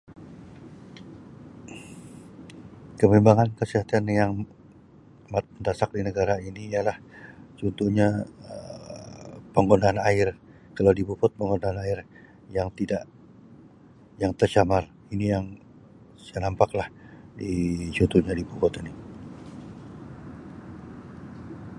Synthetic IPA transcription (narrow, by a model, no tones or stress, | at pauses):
kəmimbaŋankəsiɦat̪anjaŋ | mat̪̚nd̪asak̚dinəɡaɾainijalaht͡ʃunt̪uhɲaə | pəŋɡondaːnaɪr | kalawdibupʊt̪̚pəŋɡondaːnaɪr | jaŋt̪idaʔ | jaŋt̪ərt͡ʃamar | inijaŋ | sajanampaklahdit͡ʃunt̪uhɲadibupʊt̪ini